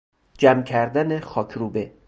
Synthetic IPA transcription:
d͡ʒæmcʰæɾd̪ænexɒːkʰɾuːbe

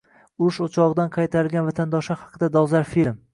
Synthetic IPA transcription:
ʊʃot͡ʃʰɒʁɨd̪anqʰɑjt̪ʰaɾɪlɡʲanvat̪ʰand̪ɒʃahɑ̥qʰɨd̪ad̪ɒzaɾfilm

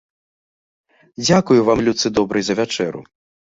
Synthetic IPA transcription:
d͡zʲakujuvamlʲut̪sɨd̪ɔbɾɨjzɐvʲat͡ʂɛɾṵ

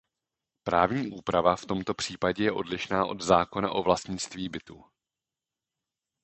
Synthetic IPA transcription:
pɾaːvɲiːʔuːpɾavaft̪o̞mt̪o̞pr̝̥iːpaɟɛjɛʔo̞̰dlɪʃnaːʔo̞d̪zaːko̞na̰ʔo̞vlast̪ɲɪt͡st̪viːbɪt̪uː

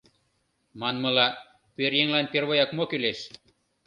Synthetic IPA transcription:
manmɤ̆lɑ | peɾjeŋlanʲpʲeɾβojakmokylʲeʃ

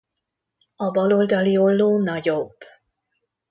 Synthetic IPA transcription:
ɒbɒlo̞ld̪ɒliolːoːnɒɟob

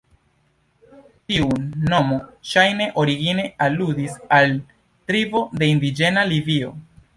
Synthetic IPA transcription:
tiunːo̞mo̞ʃajne̞ʔo̞ɾiɡine̞aludisal | tɾivo̞de̞indid͡ʒe̞nalivio̞

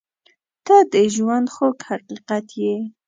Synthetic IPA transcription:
t̪ɑd̪eʒwand̪xokhaqiqat̪je

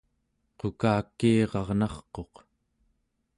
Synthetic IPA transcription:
qokaːkːiːʁɑʁnɑχqo̞q

